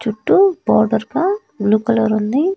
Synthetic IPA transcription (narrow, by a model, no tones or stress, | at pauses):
t͡ʃuʈːubɔːɾɖɐɾpa | ɡluːkɐlɐɾund̪i